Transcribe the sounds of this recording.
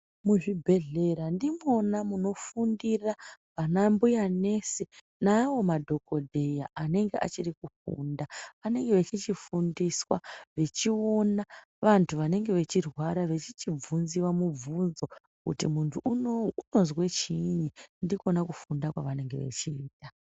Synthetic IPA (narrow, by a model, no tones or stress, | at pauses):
muʐibʱe̞ɮe̞ɾandimo̞namuno̞fundirapanambujane̞se | nawo̞madʱo̞ko̞dʱejaane̞ŋɡeʔa̰t͡ʃirikufṵndaʋane̞ŋɡe̞ʋe̞t͡ʃit͡ʃifundiswaʋe̞t͡ʃio̞na | ʋantʰuʋane̞ŋɡe̞ʋe̞t͡ʃirwaɾaʋe̞t͡ʃit͡ʃib͡vunziwamub͡vunzo̞ | kṵtimuntʰuuno̞zwet͡ʃiɲindiko̞nakufundakwa̰ʋane̞ŋɡe̞̰ʋe̞̰t͡ʃiːta